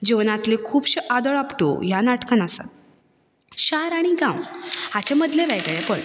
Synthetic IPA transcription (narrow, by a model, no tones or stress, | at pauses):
d͡ʑiʋnat̪lekʰuːbɕiʔad̪əɭapʈo̰janaʈkənasa̰t̪ | ɕaɾaɽ̃iɡãwhat͡ɕeməd̪leʋɛɡɭepəɭ